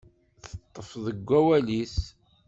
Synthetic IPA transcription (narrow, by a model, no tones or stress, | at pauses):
θət̪ˤːəfðəɡʷːæwælis